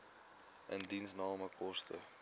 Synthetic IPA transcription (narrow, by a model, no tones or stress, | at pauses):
əndinsnɑːməkʰɔstə̰